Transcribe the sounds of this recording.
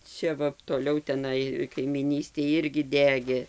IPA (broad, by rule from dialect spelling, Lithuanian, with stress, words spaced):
ˈt͡ʃʲɛ ˈʋɐ toːˈlʲɛʊ tʲɛˈnɐɪ kɐɪmʲiːˈnʲiːsʲtʲeːj ˈɪrʲɡʲɪ ˈdʲæːɡʲeː